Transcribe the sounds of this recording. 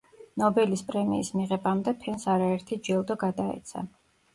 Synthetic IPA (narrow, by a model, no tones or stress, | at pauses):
nɔbɛlispʼɾɛmiːsmiʁɛbamd̪ɛpʰɛnsaɾaɛɾt̪ʰid͡ʒɛlˠd̪ɔɡad̪aɛ̰t̪sʰa̰